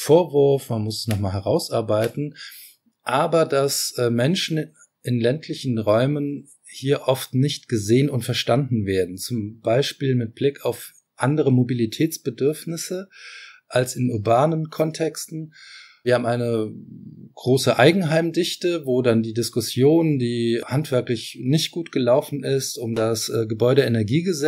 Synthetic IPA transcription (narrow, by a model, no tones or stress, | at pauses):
foːɐvʊɐfmanmʊsɛsnɔχmaːlɦɛʁaʊsʔaɐbaɪtn̩ | ʔaːbɐdasːmɛnʃn̩ | ɪnlɛntʰlɪçn̩ʁɔʏmən | hiːɐʔɔftnɪçtɡ̥əzeːənʊntfɛɐʃtandn̩veːɐdn̩t͡sʊmb̥aɪʃpiːlmɪt̚b̥lɪkaʊf | ʔandəʁəmobilitʰɛːt͡sb̥ədʏɐfnɪsəʔalsɪnʔʊɐbaːnənkʰɔntʰɛkstn̩ | ɐhabm̩ʔaɪnə | ɡ̥ʁoːsəʔaɪɡŋ̩ɦaɪmdɪçtəvoːdandiːdɪskʊsjoːndiːhantv̥ɛɐklɪçnɪçt̚ɡ̥uːtɡ̥əlaʊfn̩ɪstʊmdasʔɛɡəbɔʏɾəenɛɐɡiːɡəzɛ